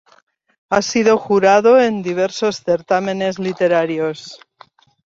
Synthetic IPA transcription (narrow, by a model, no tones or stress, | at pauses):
asiðo̞xuɾaðoend̪iβ̞eɾso̞sθe̞ɾt̪amẽ̞ne̞zlit̪e̞ɾaɾjos